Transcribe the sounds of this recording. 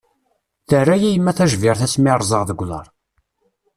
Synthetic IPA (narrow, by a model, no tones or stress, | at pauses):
θərːæjæjəmːæθæʒvɪʁθæsmiɾˤzˤəʁðəɡʷːlə̰ɾˤ